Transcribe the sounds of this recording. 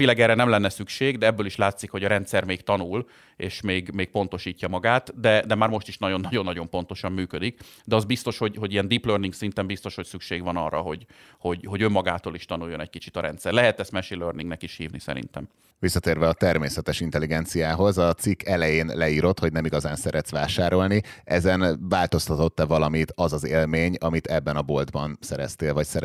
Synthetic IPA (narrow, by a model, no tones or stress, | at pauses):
vilaɡɛːɾɛnɛmlɛnːɛsykʃeːɡd̪ɛɛbːøːliʃlaːt̪sikho̞ɟɒɾɛnt̪sɛrmeːɡt̪ɒnul | eːʃmeːɡmeːk̚po̞n̪t̪o̞ʃiːcːɒmɒɡaːt̪d̪ɛd̪ɛmaːrmo̞ʃt̪iʃnɒɟo̞nːɒɟo̞nːɒɟo̞mpo̞n̪t̪o̞ʃɒmːyːkød̪ikd̪ɛɒzbist̪o̞ʃho̞ɟho̞ɟijɛnd̪iplørniŋɡsint̪ɛmbist̪o̞ʃho̞csykʃeːɡʋɒnɒ̰rːɒ̰ɦo̞ɟho̞ɟɦo̞ɟømːɒɡaːt̪oːliʃt̪ɒnuːjːo̞nɛckit͡ʃit̪ɒɾɛ̰nt̪sɛrlɛɦɛt̪ɛst̪mɛʃiløːrniŋnɛkiʃhḭːvnisɛ̰ɾḭnt̪ɛ̰m | visːɒt̪eːɾvɛɒt̪ɛrmeːsɛt̪ɛʃint̪ɛliɡɛnt̪sijaːɦo̞zɒt̪sikːɛlɛjeːnlɛiːɾo̞t̪ho̞ɟnɛmiɡɒzaːnsɛɾʔɛt̪sʋaːʃaːɾo̞lniɛzɛnvaːlt̪o̞st̪ɒt̪o̞t̪ːɛvɒlɒmit̪ɒzɒzeːlmeːɲɒmit̪ɛbːɛnɒbo̞ld̪bɒnsɛɾɛ̰st̪eːlvɒcsɛɾ